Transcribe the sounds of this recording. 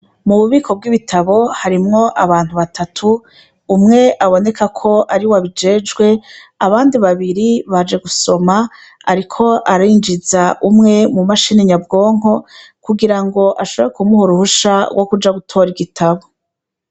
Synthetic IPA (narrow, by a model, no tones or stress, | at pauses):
muβuβikʰo̞b̚ɡiβitʰaβo̞haɾimŋo̞ʔaβaːn̥huβatʰatʰuː | mŋe̞ʔaβo̞ne̞kakʰo̞ʔaɾiwaβid͡ʒe̞ːd͡ʒɡwe̞aβaːndiβaβiɾiβad͡ʒe̞ɡuso̞ma̰ː | ɾikʰo̞ʔaɾaiːnd͡ʒizaʔumŋe̞mumaʃiniɲabɡo̞ːŋ̥ɦo̞ | kuɡiɾaŋɡo̞ʔaʃo̞βoɾekumuhuɾuhuʃawʔo̞kud͡ʒaɡutʰo̞ːɾiɡitʰaβo̞